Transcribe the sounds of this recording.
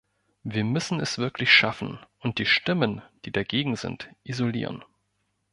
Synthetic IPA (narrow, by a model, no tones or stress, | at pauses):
viːɐmʏsn̩ɛsv̥ɪɐkʰlɪçʃafn̩ʔʊnt̚d̥iːʃtɪmənd̥iːdaɡeːɡŋ̩zɪ̰ntʔizolḭːʁə̰n